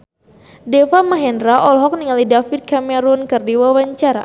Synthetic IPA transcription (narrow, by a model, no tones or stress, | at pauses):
dɛfamaɦɛndɾaʔɔlɦɔk̚niŋalidafit̪̚kamɛɾunkɨrdiwawaɲt͡ʃaɾa̰